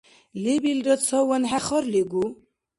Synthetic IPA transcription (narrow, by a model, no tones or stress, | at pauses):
libild̪ɔt͡sʰɔwɔnɦæχɔɾliɡu